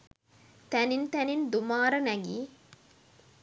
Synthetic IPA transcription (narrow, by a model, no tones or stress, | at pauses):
t̪ænint̪ænind̪umaːɾənæɡiː